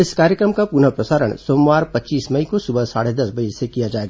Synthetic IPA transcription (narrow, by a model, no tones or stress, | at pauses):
ɪskaːɾjəkɾəmkapunəpɾɐsaːɾə̰ɽ̃soːmʋaːɾpɐtːt͡ʃiːsmɐikosʊbəsa̰ːɽed̪ɐsbɐd͡ʒɪsekijad͡ʒaːeːɡaː